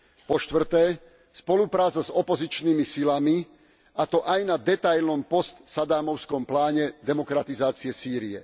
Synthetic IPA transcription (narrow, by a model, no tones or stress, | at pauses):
pɔʃt̪ʋr̩t̪ɛː | spɔlupɾaːt͡sazɔpɔzit͡ʃniːmisilami | at̪ɔʔajnad̪ɛt̪ajlnɔmpɔst̪sad̪aːmɔʊskɔmplaːɲɛd̪ɛmɔkɾat̪izaːt͡siɛsiːɾiɛ̰